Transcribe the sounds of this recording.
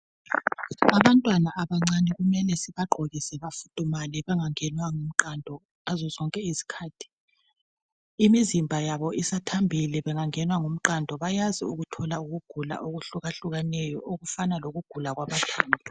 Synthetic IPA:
aβantʼwanaʔaβaŋ͡ǀanɛɣumɛlɛsiβaɡ͡ǃʱoɣisɛβafu̥tʼumalɛβɛŋaŋɛnwaŋum̩ǃandʱɔ | azɔzɔŋkʼɛizi̥kʰaːtʰi̥ | imizimbʱajaβɔisatʰambʱilɛβɛŋaŋɛnwaŋum̩ǃandʱɔβajaziuɣutʰɔlauɣuɡ̥ʱula̰ʔoɣuɬuɣaɬuɣanɛjɔʔoɣufanaloɣuɡ̥ʱulaɣwaβatʰaːndʱɔ

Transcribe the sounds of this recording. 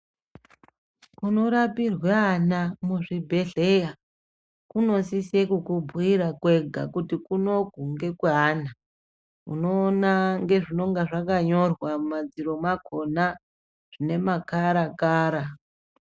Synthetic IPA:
kuno̞ɾapirweanamuʐibʱe̞ɮe̞ja | kuno̞sisekukubʱuiɾakwe̞ɡʱa̰kutikuno̞ɡʱuŋɡe̞kwana | ṵno̞ːnaŋɡe̞ʐino̞ŋɡaʐakaɲo̞rwamad͡ziɾo̞makʰo̞na | ʐ̥ine̞makaɾakaːɾa

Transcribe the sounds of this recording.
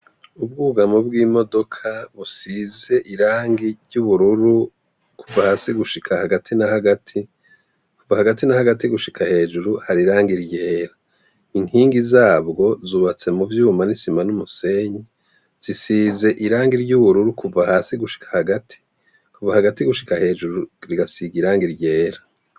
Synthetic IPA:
ubɡuɡamobɡiːmo̞do̞kʰaβusiːze̞ʔiɾaːŋɡiɾɟuβuɾuɾu | kʰuvahaːsiɡuʃikʰahaɡatʰinahaɡatʰi | kuvahaɡatinahaɡatiɡuʃikʰahe̞ːʒuɾuhaɾiɾaːŋɡiɾjeːɾa | iŋhiːŋɡizaːβɡo̞zuːβat͡se̞muvjuːmanisimanumuse̞ɲi | z̥isiːze̞ʔiɾaːŋɡiɾɟuβuɾuɾukʰuvahaːsiɡuʃi̥kʰḁhaɡatʰi̥ | kuvahaɡatiɡuʃi̥kahe̞ːʒuɾuɾiɡasiɡiɾaːŋɡiɾɟe̞ːɾa

